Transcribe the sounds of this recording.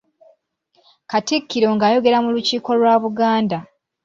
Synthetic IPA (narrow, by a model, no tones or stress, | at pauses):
katikːiɾo̞ŋɡaːjo̞ɡe̞ɾamuluciːko̞lwaːβuɡaːnda